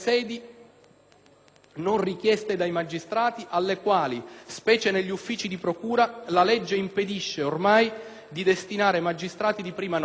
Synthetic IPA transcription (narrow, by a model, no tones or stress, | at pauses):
sɛːd̪i | nonrikjɛst̪ed̪ajmad͡ʒist̪ɾaːt̪iʔalːekwaːlispɛːt͡ʃeneʎːufːiːt͡ʃid̪ipɾokuːɾalalɛd͡ʒːeimped̪iʃːeormaj | d̪id̪est̪inaːɾemad͡ʒːist̪ɾaːt̪id̪ipɾiːman